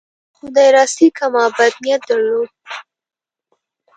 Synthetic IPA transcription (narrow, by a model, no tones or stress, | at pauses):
xʊd̪ɑjɾɑsikamɑbad̪̚nijat̪̚d̪əɾlod̪